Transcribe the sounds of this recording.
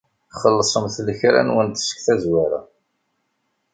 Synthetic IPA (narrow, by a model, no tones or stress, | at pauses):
χəlːəsˤəmθləçɾæ̰nwənt̪sə̥kθæzwaɾa̰